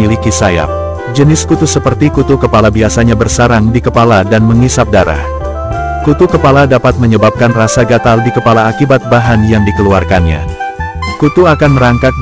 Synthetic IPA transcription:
ilikisaja̰p̚ | d͡ʒənɪskut̪usəpərt̪ikut̪ukəpalabiasaɲabərsaɾaŋdikəpaladanməŋisap̚daɾa̰h | kut̪ukəpaladapat̪̚məɲəbap̚kanrasaɡat̪aldikəpalaːkibat̪̚baɦanjaŋdikəluarkanɲa̰ | kut̪uakanməɾaŋkat̪̚

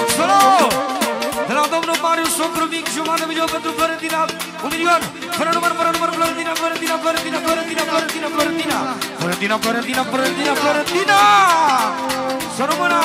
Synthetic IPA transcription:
sɐlo | d̪ɐɾãt̪omnopaɾiũsopɾɐmikʒumaðɐmiʎokɐt̪ɾupɐɾɐ̃nt̪ina | umilion | pɐɾɐnumɐnpɐɾɐnumɐnplɐɾɐ̃nt̪inapɐɾɐ̃nt̪inapɐɾɐ̃nt̪inɐpɐɾɐ̃nt̪inapɐɾɐ̃nt̪inaplɐɾɐ̃nt̪inɐ̰pɐɾɐ̃nt̪inapɐɾɐ̃nt̪inɐpɐɾɐ̃nt̪inɐpɐɾɐ̃nt̪ina | sɐlomɐna

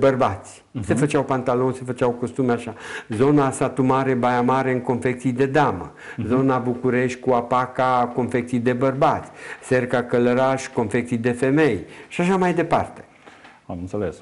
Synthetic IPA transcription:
bərbat̪sʲ | se̞fət͡ʃawpant̪alo̞nse̞fət͡ʃawkost̪umeaʃazo̞nasat̪umaɾe̞bajamaɾe̞ɨŋko̞nfe̞k̚t̪sijd̪e̞d̪amə | zo̞nabukuɾe̞ʃt̪̚ʲkuapakako̞nfe̞k̚t̪sijd̪e̞bərbat̪sʲse̞rkakələɾaʃʲko̞nfe̞kt̪sijd̪e̞fe̞me̞jʃaʃamajd̪e̞pa̰rt̪e̥ | amɨnt̪seles

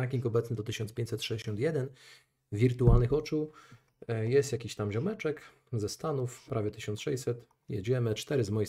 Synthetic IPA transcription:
akʲiŋkɔbɛt̪snɘd̪ɔt̪ɘɕɔnt̪spʲjeɲt͡ɕ̪ʲsɛt̪ʂɛd͡ʑeɕɔnt̪ʲjɛd̪ɛn | vʲiɾt̪ualnɘxɔt͡ʂu | jɛst̪jakʲiɕt̪amʑɔmɛt͡ʂɛk | zɛst̪anufpɾavʲjɛt̪ɘɕɔnt̪sʂɛjʲsɛt̪ | jɛ̰d͡ʑɛmɘt͡ʂt̪ɛɾɘzmɔji

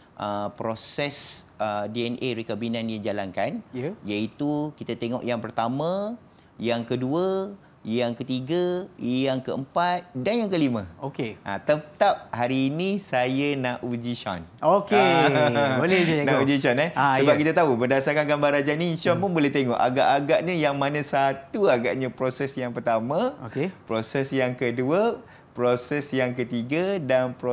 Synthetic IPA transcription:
ʔəpɾosɛsədiɛnʔeɾikabinãnjad͡ʒalankanjait̪ukit̪at̪eŋɔʔjaŋpərt̪amã | jaŋkəduə | jaŋkət̪iɡajaŋkəəmpat̪̚danjaŋkəlimə̃okeʔã̰t̪ət̪ap̚haɾiːnĩsajənaʔud͡ʒiʃa̰noke | olenãud͡ʒiʃanɛsəbap̚kit̪at̪aubərdasarkanɡambarad͡ʒaininsanpunbolɛht̪eŋɔ̰ʔa̰ɡa̰ʔaɡaʔɲə̃jaŋmãnãsat̪uaɡaʔɲãpɾosɛsjaŋpərt̪amãokepɾosɛsjaŋkəduə | pɾosɛsjaŋkət̪iɡədanpɾo

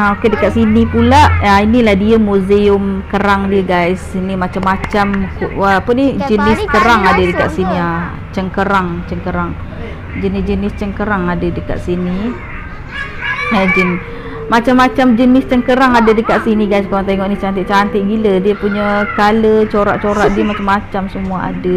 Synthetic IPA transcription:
aokedəkaʔ̪sinipulaʔainilahdiəmuzeʊmkəɾaŋdiəɡajsinimat͡ʃamːat͡ʃamkuəpʊnid͡ʒənɪskəɾaŋadədəka̰ʔsinia | t͡ʃəŋkəɾaŋt͡ʃəŋkəɾaŋ | d͡ʒənɪsd͡ʒənɪst͡ʃəŋkəɾaŋadədəka̰ʔ̪sini | əd͡ʒən | mat͡ʃamːat͡ʃamd͡ʒənɪst͡ʃəŋkəɾaŋadədəkaʔ̚siniɡajs̬kalaŋt̪̬eŋɔʔnit͡ʃant̪ɪʔt͡ʃant̪ɪʔ̚ɡilədiəpuɲakalət͡ʃoɾa̰ʔt͡ʃoɾaʔdiəmat͡ʃamːat͡ʃamsəmuaa̰də

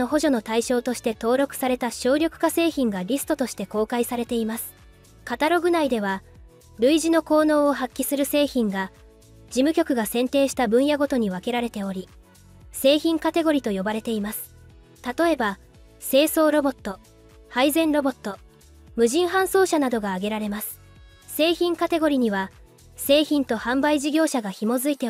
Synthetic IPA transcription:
o̞ɦo̞ʑo̞no̞t̪aiɕo̞ːt̪o̞ɕi̥t̪e̞t̪o̞ːɾo̞kɯ̟̥saɾe̞t̪aɕo̞ːɾʲjo̞kɯ̟̥kase̞ːçĩŋɡaɾʲisɨ̥t̪o̞t̪o̞ɕi̥t̪e̞ko̞ːkaisaɾe̞t̪e̞imasɨ̥ | kat̪aɾo̞ɡɯ̟naid̪e̞β̞a | ɾɯ̟iʑino̞ko̞ːno̞ːɦakʲːisɨɾɯ̟se̞ːçĩŋɡa | d͡ʑimɯ̟kʲo̞kɯ̟ɡasẽ̞nt̪e̞ːɕi̥t̪abɯ̟̃ɰ̃jaɡo̞t̪o̞ɲ̟iβake̞ɾaɾe̞t̪e̞o̞ɾʲi | se̞ːçĩŋkat̪e̞ɡo̞ɾʲit̪o̞jo̞baɾe̞t̪e̞imasɨ̥ | t̪at̪o̞e̞ba | se̞ːso̞ːɾo̞bo̞t̪ːo̞ | haizẽ̞nɾo̞bo̞t̪ːo̞ | mɯ̟ʑĩɰ̃ɦãɰ̃so̞ːɕanad̪o̞ɡaːɡe̞ɾaɾe̞masɨ̥ | se̞ːçĩŋkat̪e̞ɡo̞ɾʲiɲ̟iβa | se̞ːçĩnt̪o̞hãmbaiʑiɡʲo̞ːɕaɡaçimo̞zɨit̪e

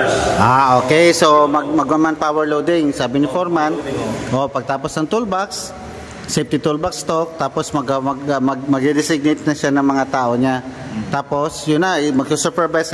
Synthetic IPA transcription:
ʔaːʔoːkɛjsomɐɡ̚mɐɡ̚mɐmanpawɛɹlowd̪ɪŋsaːbɪnɪfoɾmanʔopɐɡ̚t̪aːposnɐŋt̪ulbaks | fɪf̚t̪ɪt̪ulbakst̪ok̚t̪aːposmɐɡɐɐɡmɐɡmɐɡ̚ɪd̪ɪsɪɡ̚net̪̚nɐʃanɐŋmɐŋat̪aːʔoɲa | t̪aːpo̞sjʊnːɐmɐɡsusɛpɛɹbajs

